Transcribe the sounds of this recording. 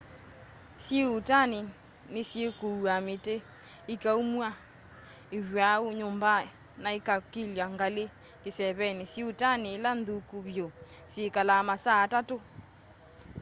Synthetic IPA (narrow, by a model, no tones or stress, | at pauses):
sjeutane | nesjekoamete | ikaumwa | ewwaoɲomba | naekakiljwaŋɡale | kesɛβɛnesjeutanelandukuβjosjekalamasaːtato